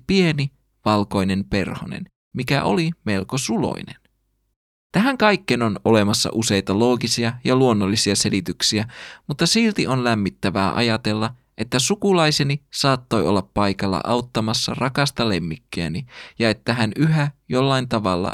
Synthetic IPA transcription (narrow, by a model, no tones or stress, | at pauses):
pie̞ni | ʋɑlko̞jne̞mpe̞rho̰nḛn | mikæ̰ʔo̞̰lime̞lko̞sulo̞̰ine̞̰n | t̪æɦæŋkɑjkːeno̞no̞le̞mɑsːɑ̰ʔuse̞jt̪ɑlo̞ːɡisiɑjɑluo̞nːolːisiɑse̞lit̪yksiæmut̪ːɑsilt̪iʔo̞nlæmːit̪ːæʋæːʔɑ̰jɑt̪e̞lːɑ | ʔe̞t̪ːæsukulɑjsenisɑːt̪ːo̞jo̞lːɑpːɑjkɑlːɑ̰ʔɑwt̪ːɑmɑsːɑ̰rʔɑkɑst̪ɑle̞mːikːøæ̰nijɑe̞t̪ːæɦænyɦæjo̞lːɑjnt̪ɑʋɑlːɑ̰